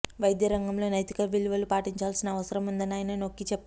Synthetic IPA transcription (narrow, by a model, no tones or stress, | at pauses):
ʋɐjd̪jɐɾɐŋɡɐmlo̞ːnɐjt̪ikɐʋilʋɐlupaːʈiɲt͡ʃaːlsinɐːʋɐsɐɾɐmund̪ɐniaːjnɐno̞kːit͡ʃepː